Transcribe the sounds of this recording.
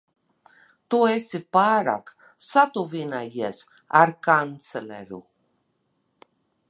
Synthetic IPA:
t̪uesipaːɾa̰ːk | sat̪uvinajiɛs | aɾkant̪selḛɾṵ

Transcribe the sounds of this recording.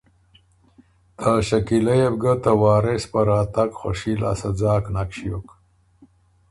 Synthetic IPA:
t̪aʃakilajebɡət̪awɑːɾespaɾaːt̪aɡxo̰ʂila̰sad͡zɑːknakɕijok

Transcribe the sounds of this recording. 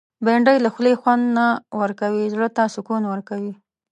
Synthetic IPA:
beɳɖəjlaxlexwand̪nawəɾkawizɽət̪ɑsokonawəɾkawi

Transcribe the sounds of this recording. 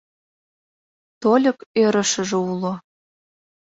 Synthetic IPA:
t̪olʲɤ̆køɾə̆ʃə̆ʒĕulo

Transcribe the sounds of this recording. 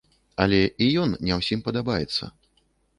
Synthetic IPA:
ɐlʲɛijɔnnʲɛwsʲimpɐd̪abajɛt̪sːɐ̰

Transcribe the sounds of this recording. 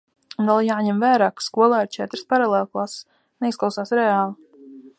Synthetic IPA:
und̪alˠjaːɲɛmvæːɾaːkskuɔlˠaːiɾt͡ʃɛt̪ɾspaɾalˠeːlˠklˠas | nɛisklˠawsaːsɾɛaːlˠi

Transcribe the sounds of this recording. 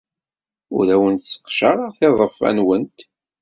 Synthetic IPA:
ʊ̰ɾæwənt̪sə̥qʃɑɾˤəʁθeðˤəfːæ̰nwənt̪

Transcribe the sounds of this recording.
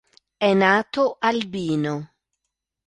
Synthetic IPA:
ɛnaːt̪oʔalbiːno

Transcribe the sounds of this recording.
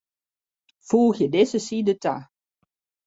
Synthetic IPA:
fuːxjədezəsidəta

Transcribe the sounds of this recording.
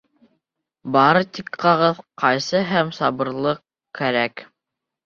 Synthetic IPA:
bɑɾɤt̪ikqɑʁɤðqɑjsɤɦæmsɑbɤ̆ɾlˠɤq | kæɾæk

